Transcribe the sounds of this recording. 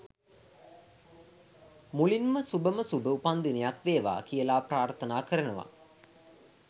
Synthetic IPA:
mulinməsubəməsubəupand̪inejak̪ʋeːʋa̰ːkijəlaːpraːrt̪ənaːkəɾənəʋa̰

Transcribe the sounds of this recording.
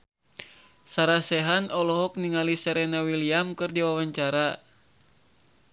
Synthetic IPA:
saɾasɛɦanɔlɔɦɔk̚niŋalisɛɾɛnawiliamkɨrdiwawaɲt͡ʃaɾa

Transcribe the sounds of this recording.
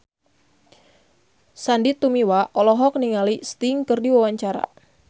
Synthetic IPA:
sandit̪umiwaʔɔlɔɦɔk̚niŋalist̪iŋkɨrdiwawaɲt͡ʃaɾa̰

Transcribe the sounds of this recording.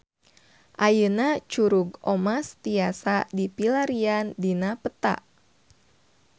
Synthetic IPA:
ʔajənat͡ʃuɾuɡɔmast̪iasadipilaɾiandinapət̪a̰ʔ

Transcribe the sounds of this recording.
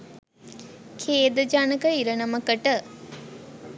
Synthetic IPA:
kʰeːd̪əd͡ʒaːnəkəiɾənɐməkəʈə

